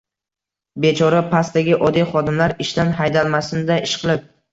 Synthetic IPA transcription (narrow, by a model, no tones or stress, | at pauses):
be̞t͡ʃʰɒɾapʰast̪aɡʲɪʔɒd̪ijχɒd̪ɪmlaɾɪʃt̪anɦajd̪alˠmasɪnɪd̪aɪʃqʰɨlˠɪp̚